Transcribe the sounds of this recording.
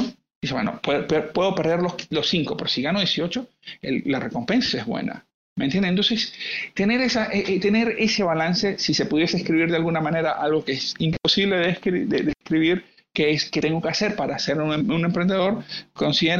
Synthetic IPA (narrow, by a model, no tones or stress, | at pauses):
d̪ise̞βwḛno̰pwepepwe̞ðo̞pe̞ɾðe̞ɾloslo̞sːiŋko̞pe̞ɾosiɣano̞ðjesio̞t͡ʃo̞ | ḛllare̞ko̞mpe̞nsaezβwḛna̰ | menjend̪ent̪o̞nsest̪e̞ne̞ɾesaʔeʔt̪e̞ne̞ɾe̞se̞βalanse̞sise̞puðje̞seːskɾiβ̞iɾðealɣunamãne̞ɾaʔalɣo̞keesimpo̞siβle̞ðed̪ed̪eskɾiβiɾ | keesket̪e̞ŋɡo̞kease̞ɾpaɾaːseɾune̞mpɾe̞nd̪eðo̞ɾko̞nsiðeɾ